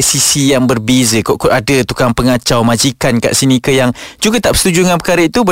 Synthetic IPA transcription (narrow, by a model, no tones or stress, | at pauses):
sisijaŋbərbezəkoʔkuʔadət̪ukaŋpəŋat͡ʃawmãd͡ʒikanka̰ʔsinikəjaŋd͡ʒuɡat̪aʔpə̥sət̪ud͡ʒuŋãnpəkaɾəit̪ubə